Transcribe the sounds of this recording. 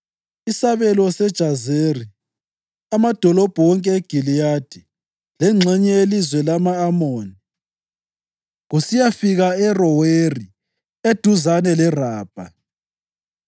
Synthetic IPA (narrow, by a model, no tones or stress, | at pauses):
isaβɛlɔsɛd̥ʒ̥ʱazeri | amad̥ʱɔlɔb̥ʱɔwɔŋkʼɛeɡ̥ʱilijad̥ʱi | lɛŋ͡ǁʱɛɲɛelizwɛlamaːmoːni | ɣusijafiɣaɛrɔweri | ed̥ʱuzanɛlɛraːb̥ʱa